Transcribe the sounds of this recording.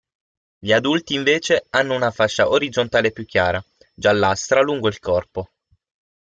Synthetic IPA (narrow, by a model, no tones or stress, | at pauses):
ʎiad̪ult̪iːɱveːt͡ʃeanːounafat͡ʃːaʔoɾid̪zont̪aːlepjukʰʲːjaːɾa | d͡ʒalːast̪ɾaluŋɡoilkɔrpo